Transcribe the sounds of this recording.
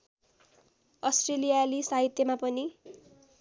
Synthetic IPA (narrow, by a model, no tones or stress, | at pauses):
ʌsʈrelijalisaɦit̪jʌmapʌni